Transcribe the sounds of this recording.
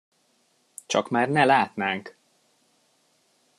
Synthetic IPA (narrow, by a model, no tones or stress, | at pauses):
t͡ʃɒkmaːrnɛlaːt̪naːŋk